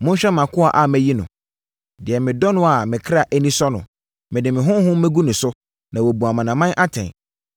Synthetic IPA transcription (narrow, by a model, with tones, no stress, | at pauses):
mʊ̃˦n̩˦ɕᶣɛ̃˦mã˨kʰʊ˦a̰˨ʔa˨mæ˦ji˦nʊ̰̃˨ | dɪ˨ɛ˨mɪ̃˨dɔ˦nʊ̃˦a˨mɪ̃˨kʰɾa˨ʔæ˦nĩ˦sɔ˦nʊ̰̃˨ | mɪ̃˨dɪ˨mɪ̃˨ɦʊ̃˦ɦʊ̃˦mɛ̃˦ɡu˦nʊ̃˨sʊ˦ | nã˨wo˨bu˨a˨mã˨nã˨mã˦ʔa˦tʰɛ̰̃˨n